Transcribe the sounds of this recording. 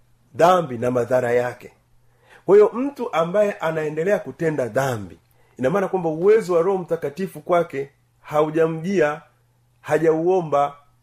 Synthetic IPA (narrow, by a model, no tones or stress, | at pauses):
ðambinamaðaɾajakɛ̥ | kwahijɔm̩tuʔambajɛʔanaɛndɛlɛakutɛndaðambiː | namaːnakwambauwɛzɔwaɾɔɔm̩takatifukwakɛ | hauʄam̩ʄia | haʄauɔmba